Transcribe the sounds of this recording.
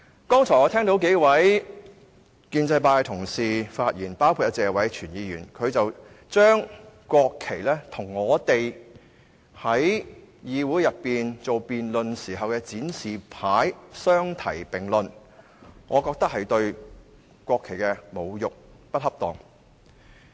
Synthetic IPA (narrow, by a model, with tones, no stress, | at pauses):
kɔː˥ŋt͡sʰɔː˨˩jɔː˨˧tʰɛː˥ŋt̪o˨˥wke˨˥jwɐ˨˥j | kiː˧nt͡sɐ˧jpaː˧kt̪ʰʊ˨˩ŋsiː˨faː˧t̚jiː˨˩npaː˥wkʰu˧t̚ɐ˧˥t͡sɛː˧wɐ˨˥jt͡ʃʰyː˨˩njiː˨˧jyː˨˩nkʰɵ˨˧ɥt͡sɐ˨w | t͡ʃœː˥ŋkwɔː˧kʰːe˨˩jlɛː˥t̪ʰʊ˨˩ŋːɔː˨˧t̪e˨j | hɐ˨˥jjiː˨˧wuː˨˥jɐ˨pːiː˨nt͡so˨wpiː˨nlɵ˨nsiː˨˩ɦɐ˨wkɛː˧t͡siː˨˥nsiː˨˩pʰaː˨˥jsœː˥ŋt̪ʰɐ˨˩jpɪ˨˩ŋlɵ˨n | ŋʔɔː˨˧kɔː˧k̚t̪ɐ˥k̚hɐ˨jt̪ɵ˧ɥ | kʷɔː˧kʰːe˨˩jkɛː˧mo˨˧wjʊ˨k̚pɐ˥t̚hɐ˥p̚t̪ɔ˨˩ŋ